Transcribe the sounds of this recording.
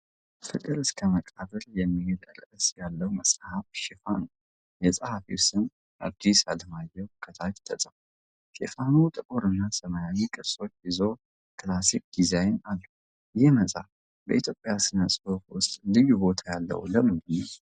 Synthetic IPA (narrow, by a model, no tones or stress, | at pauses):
fɨkʼɨɾɨskʰəməkʼaβəljɛmːihed̪ə̰ɾəʔɨsjalːəwməsʼhafʃefanu | jɛsʼəhafiwʊsɨn | ʔad̪ːisaləmajːɛwkʰət̪ʰat̪t̪ʰəsʼəf | ʃḛfanut̪ʼɨkʼoɾɨnːasəməjawikʼɨso̞t͡ʃːjɪzo̞ | kʰɨlasik̚d̪̥izajnalːu | jɪməsʼaf | bə̰ʔit̪jo̞pʼjasɨnəsʼɨhofwʊst̪ʼlɨjbo̞t̪ʰajalːə̰hṵləmɨnɡdɨnːəw